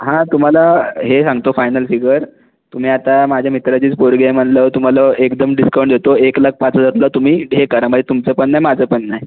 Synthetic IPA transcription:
ɦãt̪um̤alaɦesãŋɡt̪ofajnəlfiɡəɾ | t̪um̤iːat̪amad͡ʑʱjamit̪ɾat͡ɕiːt͡spoɾɡjajm̤əɳlət̪um̤aləʔekd̪əmɖiskawɳʈd̪et̪oeklək̚pãt͡səd͡zat̪lət̪um̤iːɦekəɾaməd͡ʑet̪umt͡səpəɳːajmad͡zʱəpənːaj

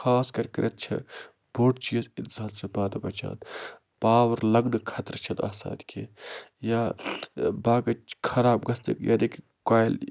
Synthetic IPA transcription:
xʰaːskɐɾkɐɾɐt̪̚t͡ʃʰɐ̰ | boːʈt͡ʃiːzilzaːlsɐpaːd̪ɐbɐt͡ʃã̰ːn | paːʋɐɾlɐɡnkʰɐt̪ɾt͡ʃʰɐna̰ːsa̰ːd̪ikʰḛjaː | baːɡɐkʰɐɾaːbɡɐst̪ḛkja̰nek | kaːjl

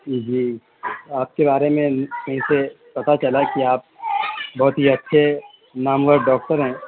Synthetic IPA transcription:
id͡ʒiː | aːp̚kebaːɾemẽkɐɦĩse | pɐt̪at͡ʃɐlakiaːp̚bɔɦːʊt̪ɦiɐtːʃʰe | naːmwəɾɖɖɔːk̚ʈəɾɦɛ̃ː

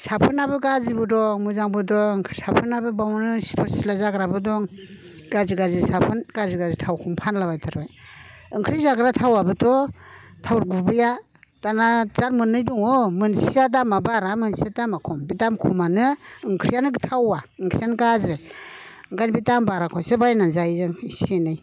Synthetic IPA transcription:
sapʰɯnabɯɡazibɯdɔmuzaŋbɯdɔŋkʰɾsapʰɯnabɯbawnɯsi̥tʰɔsilazaɡɾabɯdɔŋ | ɡ̥aziɡazisapʰɯnɡaziɡazitʰawkʰɔmpʰanlabajtʰaɾbajɯŋkʰɾizaɡɾatʰawabɯtʰɔtʰawɾɡubɯja | tanazaɾmɯnːɯjdɔŋɔmɯnsijad̬amabaɾamɯnsiadamakʰɔmbitamkʰumanɯɯŋkʰɾijanɯɡtʰawaɯŋkʰɾijankazɾe | ŋɡanbitambaɾakʰɔjsebajnazajzɯŋisenɯj

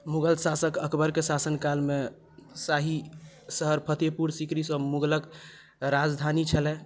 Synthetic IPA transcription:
muɡəlsasəkəkbəɾkesasənkalme | saɦi | səɦəɾpʰət̪epuɾsikɾisəmuɡlək | ɾad͡ʒd̪ʱanit͡ʃʰəlɛ

